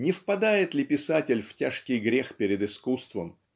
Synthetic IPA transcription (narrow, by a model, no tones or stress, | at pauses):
nʲɪfpɐd̪ajɪt̪lʲɪpʲɪsatʲɪlʲftʲaʂkʲɪjɡɾʲexpʲɪɾʲɪd̪ɨskust̪və̰m